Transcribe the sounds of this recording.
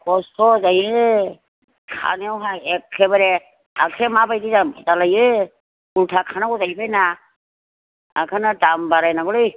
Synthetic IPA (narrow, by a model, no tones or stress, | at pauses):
kɔsɔzaje | kʰa̰newɦaɛkʰːɛbaɾɛ | akʰɛmapajdizazalajɯ | ultʰakʰanakɔzajpʰajna | a̰kʰanadambaɾajnaɡɔlɯj